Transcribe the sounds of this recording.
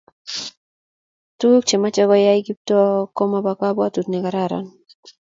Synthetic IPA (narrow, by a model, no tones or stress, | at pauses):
tuk̚t͡ʃemat͡ʃɔkɔjaiɡip̚tokɔmabakabwatutnɛkaɾaɾa̰n